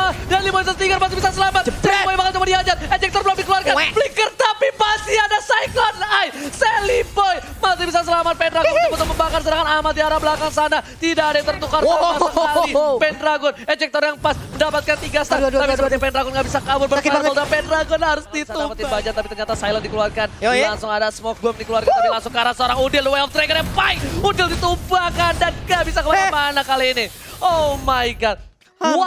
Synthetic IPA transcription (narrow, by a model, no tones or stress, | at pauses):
danlibɔjsat̪iŋɡərmat̪ibisasəlamat̪ɛlibɔjbakant͡ʃumadiad͡ʒat̪̚ɛd͡ʒɛk̚t̪ɔrbəladikəluarkabəlikərt̪apipasiadasajklɔnajsɛlibɔj | mat̪ibisas̬əlamat̪̚panraɡɔnbənt̪uməmbakars̬əɾaŋanamat̪̚diaɾabəlakaŋsanat̪idaadat̪ərt̪ukaraaipɛnraɡɔnɛd͡ʒɛk̚t̪ɔrjaŋpasməndapat̪̚kant̪iɡast̪at̪apisəbəat̪̚ɲapɛndɾaɡɔnŋɡaʔbisakabʊrbəpaɔldapɛnɾaɡɔnhaɾʊsd̪it̪uapət̪ibad͡ʒat̪apit̪ərɲat̪asajlandikəluarkanlaŋsʊŋadasəmɔk̚bɔm̚dikəluarkanailaŋsʊŋkaɾasəoɾaŋudɪldwajɔft̪ɾeɡərɲapaɪk̚udɪldit̪ubakandanŋabisakəbaaamanakaliːni | omaikat̪̚ | wa